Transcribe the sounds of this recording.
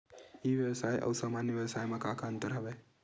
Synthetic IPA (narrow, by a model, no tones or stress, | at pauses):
iʋjəʋsajʔə̰wsamanjəʋjəʋsajmãkakʰaənt̪əɾɦəʋe